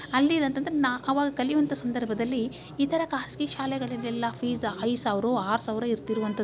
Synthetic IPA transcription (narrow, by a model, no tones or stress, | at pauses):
ɐlːid̪ɐnt̪ɐnd̪ɐɾenaʔɐʋaːɡɐkɐlijuʋɐnt̪ʰɐsɐnd̪ɐɾbʱɐd̪ɐlːiː | t̪ʰɐɾɐkaːskiʃaːlɛɡɐɭɐlːɛlːɐpʰiːzɐjsaːʋɾuaːɾsaːʋɾɐiɾt̪iɾuʋɐnt̪ɐd̪